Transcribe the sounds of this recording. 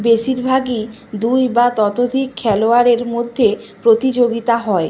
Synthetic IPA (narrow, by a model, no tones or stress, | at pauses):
beʃiɾbʱaɡi | d̪ujbat̪ɔt̪od̪ʱikʰːɛloaɾeɾmod̪ʱːe | pɾot̪id͡ʑoɡit̪aɦɔe